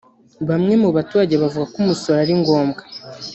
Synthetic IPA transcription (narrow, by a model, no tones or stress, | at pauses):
βamŋe̞muβatuɾaɟeβavuɡakumusoɾaɾiŋɡo̞ːmɡa